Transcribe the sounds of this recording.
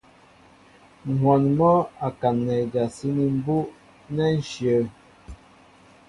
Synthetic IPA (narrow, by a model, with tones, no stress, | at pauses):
ŋ̩˨hwɔ˨nmɔ˦a˨ka˨nːɛ˨da˨si˦ni˨m̩˦bu˦ʔ | nɛ˦n̩˦ʃjə˨˦